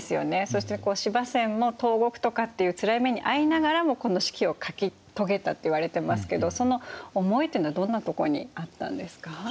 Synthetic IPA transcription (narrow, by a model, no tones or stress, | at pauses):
sɨjo̞̰ne̞so̞ɕi̥t̪e̞ko̞ːɕibasẽ̞mmːo̞t̪o̞ːɡo̞kɯ̟̥t̪o̞kat̪ːe̞jɯ̟t͡sɨɾaime̞ɲ̟iʔainaɡaɾamo̞ko̞no̞ɕi̥kʲio̞kakʲi | t̪o̞ɡe̞t̪at̪ːe̞iβaɾe̞t̪emasɨ̥ke̞d̪o̞so̞no̞omo̞it̪eiːnoad̪õ̞nːat̪o̞ko̞̰ɲ̟ḭat̪ːã̰nd̪e̞sɨ̥ka